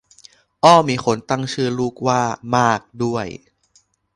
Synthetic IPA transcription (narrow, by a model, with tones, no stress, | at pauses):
ʔɔː˥˩miː˧˥xʰo˨˦nt̪a˥˩ŋt͡ɕʰɯː˥˩luː˥˩k̚waː˥˩maː˥˩k̚du˥˩əj